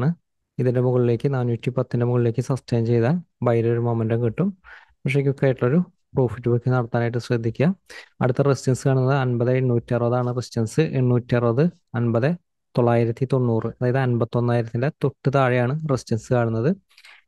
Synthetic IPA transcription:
ɳɨ | iðinde̞muɣɐɭile̞ːkːɨnaːnːuːtːipɐt̪ːinde̞muɣɐɭile̞ːkːɨsɐsʈejɐmt͡ɕe̞jðaːnbɐjɐɾɐoɾumomɐndɐŋkiʈːum | pikʂek̬ʲːokːeaːjʈːuɭɐo̞ɾu | pro̞ːfitːubɐkːenɐɽɐt̪ːaːnaːjʈːɨɕrɐd̪ʱːikʲːuɐɐ̰ɽut̪ːɐresit͡ɕɐnsɨkaːɳunːɐðɨɐnbɐðɨeɳːuːtːiɐrbɐðaːɳɨrest͡ɕɐnsɨʔeɳːuːtːiɐrɐðɨ | ɐnbɐðɨ | t̪o̞ɭːaːjiɾɐt̪ːit̪o̞nːuːrɨɐðaːjɐðɨɐnbɐt̪ːo̞nːaːjiɾɐt̪ːindet̪oʈːɨt̪aːɻijaːɳɨresit͡ɕɐnsɨkaːɳunːɐðɨ

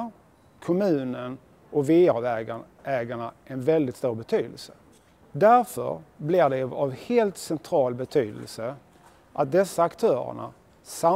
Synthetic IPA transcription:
kʰɔmʉ̟ːnən | ʔɔkvɪːaɾvɛɡa | ʔɛːɡaɳaʔɛnvɛld̪ɪt̪st̪uːɾbɛt̪ʰyːd̪ə̰lsə | d̪æɾfœ̰ɾblɪɖɛavheːlt̪sɛnt̪ʰɾɑːlbɛt̪ʰyːd̪ə̰lsə | ʔat̪̚d̪ɛsːaːkt̪ʰœːɾə̰ɳa̰ | sa

